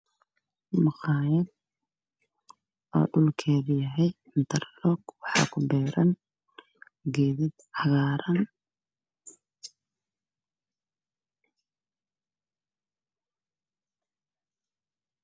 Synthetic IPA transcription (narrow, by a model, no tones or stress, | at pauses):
mʊqɑːjɐd̪ | ɔ̰ːɖʊlkʰɛːðɪjɐɦɛj | ɪnt̪ʰɐrlɔɡwɑħɑ̰ːkʰʊbɛːɾɐn | ɡɛːðɪd̪hɑɣaːɾɐn